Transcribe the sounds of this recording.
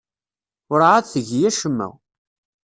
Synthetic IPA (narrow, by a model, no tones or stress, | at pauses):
ʊɾʕaðθəʝjæʃəmːæ̰w